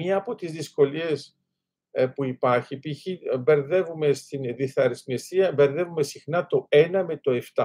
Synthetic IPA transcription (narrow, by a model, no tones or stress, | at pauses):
ɲɐːpot̪izðisko̞lie̞s | puipɐɾçipiçibe̞ɾðe̞vume̞st̪inðiθɐɾisnest̪iɐbe̞ɾðe̞vume̞sixnɐt̪o̞e̞nɐme̞t̪o̞e̞ft̪ɐ